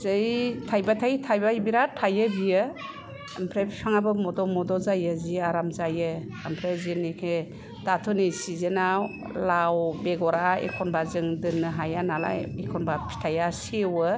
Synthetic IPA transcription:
zɯjtʰajbatʰajtʰajbajbiɾatʰajɯbijɯː | mpʰɾepʰi̥pʰaŋabɯmɔdɔmɔdɔzajɯziaɾamzajɯː | mpʰɾezinikʰe | d̥atʰunijsizenaw | lawbeɡɔɾaḛkʰɔnbazɯŋdɯnɯɦajanala̰jekʰɔnbapʰi̥tʰajasewɯ

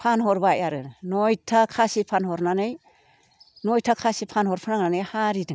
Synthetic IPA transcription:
pʰanɦɔɾbajaɾɯnɔjtʰakʰasipʰanhɔɾnanɯj | nɔjtʰakʰasipʰanhɔɾpʰɯnaŋnanɯjhaɾidɯŋ

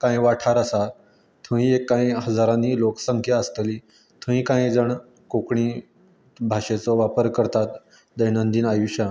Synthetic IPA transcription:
kãjʋaʈʰaɾəsa | t̪ʰə̃ĩekːaĩɦəd͡zaɾãniːlokə̥səŋkʰjaəst̪əliː | t̪ʰə̃ĩːkãjd͡zəɳ | kokɳi | bʱaɕet͡sɔʋapəɾkəɾt̪at̪ | d̪əjnənd̪iːnajuɕja

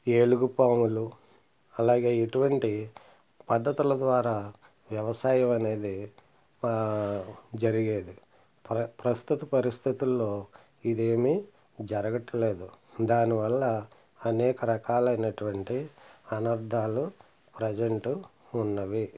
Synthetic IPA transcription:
eːluɡupaːmulu | ɐlaːɡe̞ːeʈuʋɐɳʈi | pɐd̪ːɐt̪ulɐd̪ʋaːɾaː | ʋjɐʋɐsaːjɐmɐne̞ːd̪i | d͡ʒɐɾiɡe̞ːd̪i | pɾɐst̪ut̪ɐpɐɾist̪ʰit̪ulːo̞ː | id̪e̞ːmi | d͡ʒɐɾɐɡɐʈːɐle̞ːd̪ud̪aːniʋɐlːɐ | ɐnɛːkɐɾɐkaːlɐjnɐʈuʋɐɳʈiɐnɐɾd̪ʱaːlu | pɾɐd͡ʒɐɳʈu | unːɐʋi

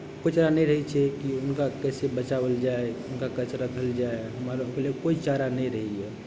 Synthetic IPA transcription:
koit͡ʃaɾanɛjɾəɦɛt͡ʃʰɛkiʊnkakɛsebət͡ʃabəld͡ʒaeʊnkakət͡ʃʰɾəkʰəld͡ʒaeɦəmaɾokelekoit͡ʃaɾanɛĩɾəɦiɛ

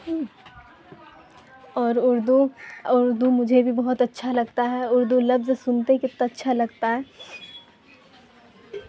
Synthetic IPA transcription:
ɦ | ɔːɾʊɾd̪uʊɾd̪umʊd͡ʒʱebʱibɐɦʊt̪ɐtːʃʰalɐɡt̪aɦɛʊɾd̪ulɐbzsʊnt̪ekɪt̪natːʃʰalɐɡt̪aɦɛː

